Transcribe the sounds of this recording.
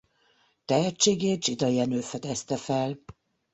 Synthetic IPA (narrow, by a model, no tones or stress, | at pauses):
t̪ɛɦɛt͡ʃːeːɡeːt̪̚d͡ʒid̪ɒjɛnøːfɛd̪ɛst̪ɛfɛl